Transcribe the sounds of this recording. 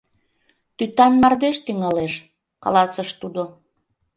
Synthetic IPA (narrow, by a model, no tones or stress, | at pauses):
t̪yt̪ɑnmɑrd̪eʃt̪yŋɑleʃ | kɑ̰lɑsəʃt̪ud̪o